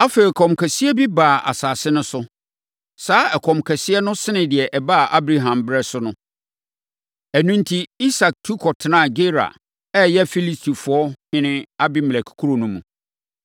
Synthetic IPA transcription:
a˦fe˨kʰɔ̃˨mkʰæ˨si˦ɛ˦bi˦baː˨a̰˨saː˨sɪ˦nʊ̃˦sʊ˦ | saː˦ɛ˨kʰɔ̃˨mkʰɛ˨sɪ˦ɛ˦nʊ̃˦sɪ˦nɪ̃˨dɪ˨ɛ˨ʔɛ˨ba˦˨ʔa˦bɾa˦ɦã˨mbɪ˦ɾɛ˦sʊ˦nʊ̃˦ | æ˨nũ˦n̩˦tʰi˦i˦sa˨k̚tʰu˦kʰɔ˨tʰɪ˨nã˦˨ɡe˦ɾa̰˨ | ɛ˦jɛ˦fi˦li˦stʰi˨fʊ˨˦ɔ˦hɪ̃˦nɪ̃˦a˦bi˦m˨æ˨kʰu̥˨kʰu˦ɾo˨nũ˦mũ˨

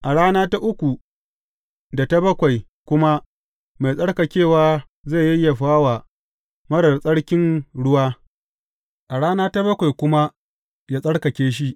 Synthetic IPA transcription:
ʔa˨ɽaː˦naː˦ta˦ʔʊ˦kʷu˨ | da˨ta˦bɐ˦kʷa˨j | kʷʊ˦ma˦ | ma˨jsʼɐ˦ɽkɐ˨kʲeː˦˨waː˦ | za˦˨jɐ˦jːa˨ɸaː˦wa˨ | mɐ˦ɽɐ˨rsʼɐ˦ɽkʲɪ˦nɽʊ˦waː˦ | ʔa˨ɽaː˦naː˦ta˦bɐ˦kʷa˨jkʷʊ˦ma˦ | jaː˦sʼɐ˦ɽkɐ˨kʲeː˦ʃ̬i˦ʔ

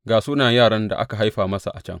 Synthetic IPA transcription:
ɡaː˨suː˦naː˨jaː˦˨ɽɐ˦nda̰˨ʔa̰˦ka˨ɦa˦jɸaː˨mɐ˦sa̰˨ʔa˨t͡ʃɐ̰˦ŋ

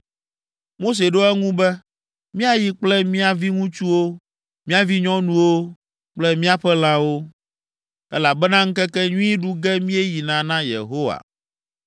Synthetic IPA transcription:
mo˦s̬e˨ɖo˦ɛ˦ŋũ˦bɛ˦ | mĩ˦a˦ji˨k͡plɛ˦mĩ˦a˨vi˦ŋũ˦t͡ʃu˦wo˦ | mĩ˦a˨vi˦ɲɔ̃˦nũ˦wo˦ | k͡plɛ˦mĩ˦a˦ɸɛ˦l̃ã˦wo˦ | ɛ˦la˨bɛ˦nã˦ŋ̩˦kɛ˦kɛ˦ɲũ˦i˦ɖu˦ɡɛ˦mĩ˦ɛ˦ji˨nã˨nã˦jḛ˨ɦo˦wa̰˨

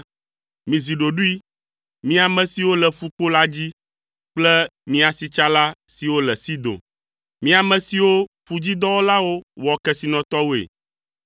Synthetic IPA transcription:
mĩ˨zi˨ɖo˨ɖu˦i˦ | mĩ˦a˨mɛ̃˨si˨wo˦lɛ˨ɸu˦k͡po˦la˦d͡ʑi˦ | k͡plɛ˦mĩ˦a˨si˨t͡ʃa˦la˦si˨wo˦lɛ˨si˦d̪o̰˨ | mĩ˦a˨mɛ̃˨si˨wo˦ | ɸu˨d͡ʑi˦d̪ɔ˦wo˦la˦wo˦wɔ˨kɛ˦si˨nɔ̃˨t̪ɔ˦wo˦ḛ˨

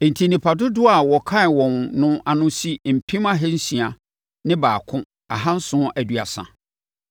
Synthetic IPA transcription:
n̩˨tʰi˨nĩ˨pʰa˨dʊ˦dʊ˦a˨wɔ˨kʰã˦˨wɔ̃˨nnʊ̃˦a˨nʊ̃˦si˦m̩˨pʰĩ˦ma˦ɦɛ˦n̩˦sĩ˨a˨ | nɪ̃˦baː˨kʰʊ̃˦ | a˨ɦã˦n̩˦sʊ̃˦ʔæ˨dɥa̰˨sã̰˨

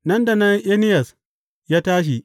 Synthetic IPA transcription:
nɐ˦nda˨nɐ˦ŋʔe˦nɪ˦jɐ˨s | jaː˦taː˦ʃ̬i˨

